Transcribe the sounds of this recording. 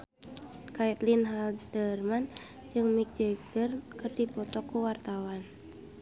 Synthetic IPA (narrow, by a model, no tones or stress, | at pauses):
kajt̪linɦaldərman | d͡ʒɨŋmik̚d͡ʒəɡ̥ərkɨrdipɔt̪ɔkːuwart̪awan